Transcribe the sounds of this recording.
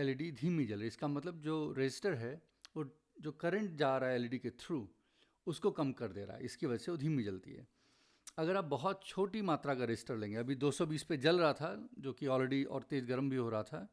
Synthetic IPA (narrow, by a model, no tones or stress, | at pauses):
ɛlɖid̪ʱiːmːid͡ʒɐlɾiɪskamɐt̪ləb̚d͡ʒoːɾed͡ʒɪsʈəɾɦɛ | o | d͡ʒoːkɐɾə̃ɳʈ̚d͡ʒaːɾaɦɛɛːlɖiket̪ʰɾuː | ʊskokɐmkɐɾd̪eːɾa̰ːɦɛ̰ɪskiʋɐd͡ʒɛseʋoːd̪ʱiːmid͡ʒɐlt̪ḭɦɛ̰ː | ɐɡəɾaːp̚bɐɦɔt̪̚t͡ʃʰoːʈimaːt̪ɾakaɾeɪsʈəɾlẽːŋɡeɐbʱid̪oːsɔbiːsped͡ʒɐlɾɐɦat̪ʰad͡ʒoːkiɔːleɖiɔ̰ːɾt̪eːzɡəɾəmbʱiɦoɾɐɦat̪ʰa